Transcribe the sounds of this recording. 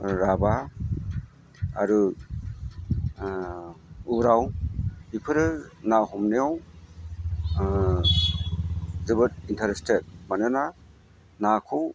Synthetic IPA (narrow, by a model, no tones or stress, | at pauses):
ɾaba | aɾɯ | uɾawipʰɯɾɯnahɔmnejaw | zɯbɯtintʰaɾestet̚manɯna | nakʰɯw